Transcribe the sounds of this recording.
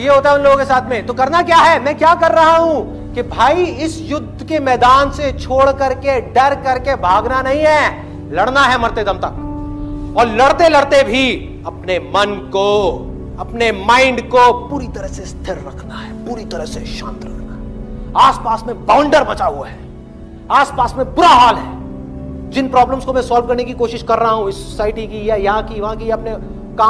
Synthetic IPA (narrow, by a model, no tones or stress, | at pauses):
jeɦoːt̪aɦɛʊ̃nloɡõkesaːt̪ʰmẽt̪okɐɾnakjaːɦɛmɛ̃ːkjaːkɐɾːɐɦaɦũ | kibʱaːiɪsjʊd̪ʱːkemɛːd̪aːnset͡ʃʰoːɽkɐɾkeɖɐɾkɐɾkebʱaːɡnanɐɦĩɦɛː | lɐɽnaɦɛmɐɾt̪ed̪ɐmt̪ɐk | ɔːɾlɐɽt̪elɐɽt̪ebʱi | ɐpnemɐnko | ɐpnemãːɪ̃ɳɖkopuːɾit̪ɐɾəsest̪ʰɪɾːɐkʰnaɦɛːpuːɾit̪ɐɾəseʃãːnt̪ɾɐkʰnaɦɛaːspaːsmẽbãːʊ̃ɳɖəɾbɐt͡ʃaːɦuaɦɛː | aːspaːsmẽbʊɾaɦaːlɦɛː | d͡ʒɪnpɾɔːbləmskomɛ̃saːlʋkɐɾnekikoːʃɪʃkɐɾːɐɦaɦũɪso̥saːɪʈikijɛjɐɦãkiʋɐɦãkiɐpne | kaː